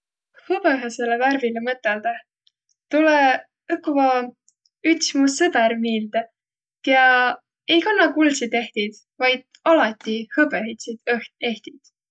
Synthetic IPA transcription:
hɤb̥eɦeseleværvilemɤt̪ːˑeld̪̥ɑ | t̪ule | ɯkːˑuvɑ | yt̪smusɤbɛɾmiːld̪̥e | jɑ | ejkɑnːɑkulsid̪e̞ht̪id̪̥ | vɑjd̪̥̚ | ɑlɑt̪ːˑihɤbehet̪sid̪̥ɤht̪e̞ht̪id̪̥

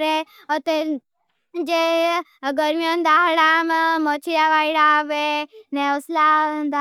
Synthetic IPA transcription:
ɾe | ɔt̪e | d͡ʒe | ɡəɾmjond̪aɦɽammɔt͡ʃʰijaʋaiɽaːʋeneɔslad̪a

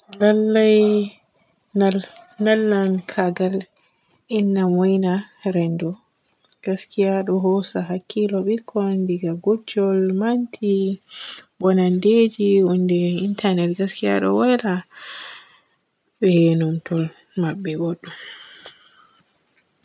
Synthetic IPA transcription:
lalːaj | alnalːankʰaɡal | inːamɔjnaɾɛndɔ | ɡ̥askʰijaɗɔɦɔsaɦakːilɔɓikʰːɔndiɡaɡɔd͡ʒɔlmantʰi | bɔnanded͡ʒiɔndɛintʰanɛtɡaskija̰ɗɔ̰wajla | ɓɛhenumtɔl | maɓːɛɡoɗːum

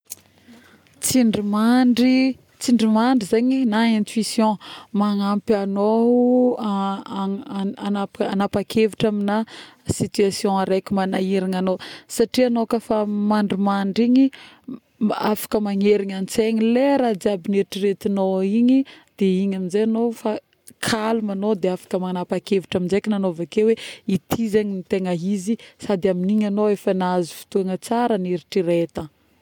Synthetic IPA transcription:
t͡siɳɖ͡ʐimaɳɖ͡ʐi | t͡siɳɖ͡ʐimaɳɖ͡ʐizeɲinaẽnt̪wisjɔ̃maŋampiano | anapanapakʰeviʈ͡ʂaminasit̪yasjɔ̃aɾekʲimanaiɾiŋanosaʈ͡ʂianokəfamaɳɖ͡ʐimaɳɖ͡ʐiɲi | a̰fḁkəmaɲeɾiɲanit͡seɲileɾad͡ziabiniɾiʈ͡ʂiɾet̪inoiɲid̪̥eiɲaminzejanofa | kʰalumanod̪eafḁkəmanapakevuʈ͡ʂaminzejkʲinanovakeweit̪ʰizeɲinit̪eŋəɦizisad̪iaminiɲanoefənazifi̥t̪uaŋət͡saɾəniɾiʈ͡ʂiɾet̪ə

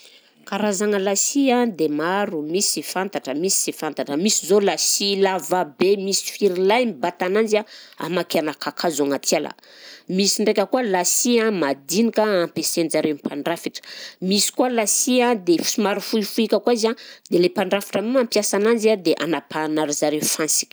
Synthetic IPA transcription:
kaɾazaŋəlasiãd̪emaɾumisifant̪aʈ͡ʂəmisi̥sifant̪aʈ͡ʂəmisizolasilavabemisi̥fiɾilajmibat̪anand͡ʒaa̰makeanakʰakʰazaŋat̪ʰiala̰ | misiɳɖ͡ʐekʲəkuəlasiãmad̪inikaampesenzaɾewnpʰaɳɖ͡ʐafiʈ͡ʂə̥misi̥kualasiãd̪efsimaɾufuifuikʲəkuaizad̪elepaɳɖ͡ʐafi̥ʈ͡ʂəmuampjasanand͡ʒiad̪eʔa̰napanaɾizaɾewfansi̥kʲi̥

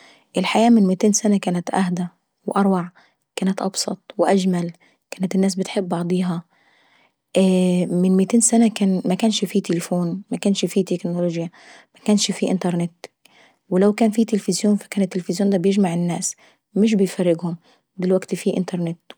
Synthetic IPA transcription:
ʔɪlħajaːmɪnmɪt̪eːnsanakaːnat̪ʔahd̪a | wʔɑɾˤwɑʕ | kæːnat̪ʔɑbsˤɑ̰t̪ˤwɪʔaʒmal | kæːnɪt̪ɪnːæːs̬bɪt̪ħɪbːʔɑʕd̪ˤiːɦɑ | ʔmɪnmɪt̪eːnsanakaːnmakæːnʃfit̪ɪlɪfoːnmakæːnʃfit̪ɪknoloːʒja | makæːnʃfiʔɪ̰nt̪ɑɾˤnɪt̪ | wɪlawkæːnfit̪ɪlfɪzjoːnfḁkaːnɪt̪ːɪlfɪzjoːnd̪æːbjɪʒmaʕɪnːaːs | mɪʃ̬bɪjfarːɪɡhʊm | d̪ɪlwaɡt̪fiːʔɪ̰nt̪ɑɾˤnɪt̪

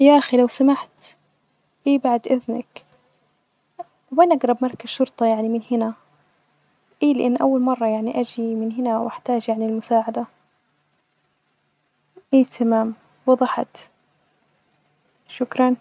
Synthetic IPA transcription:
jaːʔaxilawsamaħt̪ | ʔiːbaʕd̪ʔɪðnak | banʔaɡɾˤɑbmɑɾˤkaz̥ʃʊɾt̪ˤɑjaʕnimɪnhɪna | ʔiːlɪʔanːʔawːalmɑrˤːɑjaʕniʔad͡ʒimɪnɦɪnawʔaħt̪aːd͡ʒjaʕnɪlmʊsaːʕad̪a | ʔiːt̪ʰamaːm | wɑðˤɑħɑ̰t̪ | ʃʊkɾˤɑn

